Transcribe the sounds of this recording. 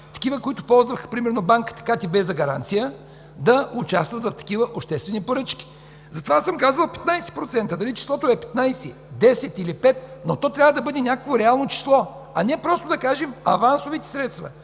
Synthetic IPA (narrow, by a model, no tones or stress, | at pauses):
t̪ɐ̥kivəkoit̪ʊpɔlˠzvəxpɾimɛɾnobaŋkə̥t̪ɐ̥kat̪ibɛzɐɡɐɾa̰nt̪sijə | d̪ɐʊt͡ʃast̪vət̪vɐft̪ɐ̥kʲivəʔopʃt̪ɛst̪vɛnipoɾɤt͡ʃkʲi̥ | zɐt̪ovasəmkazvəlˠpɛ̥t̪najsɛ̥pɾot̪sɛnt̪əd̪ɐlit͡ʃi̥slˠɔt̪oɛpɛ̥t̪najsɛ | d̪ɛsɛt̪ilipɛt̪not̪ɔt̪ɾʲavəd̪ɐbɤd̪ɛnʲjakəkvoɾɛalˠnot͡ʃi̥slˠɔ | ɐnʲiɛpɾɔst̪od̪ɐkaʒɛmɐvansovit̪ɛ̥sɾɛt̪st̪vɐ̰